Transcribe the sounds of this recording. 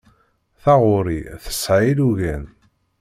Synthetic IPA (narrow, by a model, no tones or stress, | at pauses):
θɑʁʊɾiθə̥sʕiluʝæn